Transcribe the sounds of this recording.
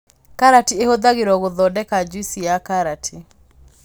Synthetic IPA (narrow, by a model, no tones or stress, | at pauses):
kaɾatiehoðaɣeɾwɔɣoðɔdɛkad͡ʒwisiakaɾatʰi